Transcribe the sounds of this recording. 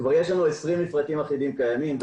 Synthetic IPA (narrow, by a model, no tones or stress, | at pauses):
kvaʁje̞ʃlanue̞sʁimːifʁat̪imaχidimkajamim